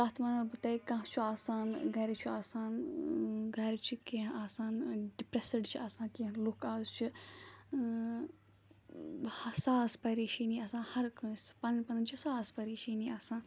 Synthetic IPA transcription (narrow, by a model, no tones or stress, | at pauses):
t̪aːt̪ʰmɐnɐlbut̪ɐikɐ̃ɦt͡ʃʰuaːsaːnɡɐɾit͡ʃʰiaːsaːn | ɡʱɐɾit͡ʃʰikeɦaːsaːnɖipɾesiɖt͡ʃʰiaːsãːkẽɦlukaːzt͡ʃʰi | hɐsaːspɐɾiːʃiniːɐsãːhɐɾkɐːspɐnɐnpɐnɐnt͡ʃʰisaːspɐɾiːʃiniasãːn